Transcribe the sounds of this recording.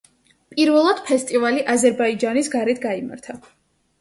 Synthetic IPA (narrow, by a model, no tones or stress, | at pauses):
pʼiɾvɛlˠad̪̥pʰɛst̪ʼivaliʔazɛɾbaid͡ʒanisɡaɾɛt̪ʰɡaima̰ɾt̪ʰa